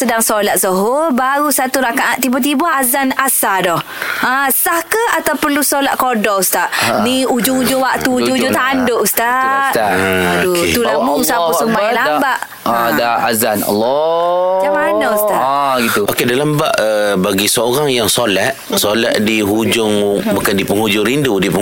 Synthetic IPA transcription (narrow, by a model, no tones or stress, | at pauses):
sədaŋsolat̪̚səɦobaɾusat̪uɾakaʔaʔ̚t̪ibat̪̬ibaazanasadɔh | ãsahkəat̪awpərlusolaʔ̚kodɔust̪aʔniud͡ʒʊŋud͡ʒʊŋwaʔt̪uːd͡ʒuŋud͡ʒuŋt̪aʔandoʔust̪aʔ̪at̪ut̪ulamʊŋsapusumbalaabaʔ | adaazanɔ̰lːɔmat͡ʃamanaust̪aʔɡit̪uʔokedalambaʔəbaɡisəoɾaŋjaŋsolat̪̚ | sola̰ʔ̚diɦud͡ʒʊŋbukandipəŋhud͡ʒʊŋɾindudipə